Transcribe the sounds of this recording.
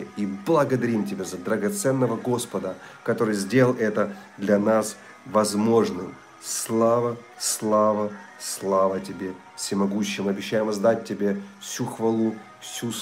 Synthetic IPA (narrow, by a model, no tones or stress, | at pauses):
iblˠɐɡəd̪ɐɾʲimtʲɪbʲezəd̪ɾəɡɐt̪sɛnːəvəɡo̞spəd̪əkɐt̪o̞ɾɨjzʲdʲelˠɛt̪əd̪lʲɐnas | vɐzmo̞ʐnɨm | slˠavə | slˠavəslˠavətʲɪbʲe̞ | fsʲɪmɐɡuɕːɪjmɨɐbʲɪɕːæjɪmɐzd̪at̚ʲtʲːɪbʲe̞fsʲuxvɐlˠu | fsʲus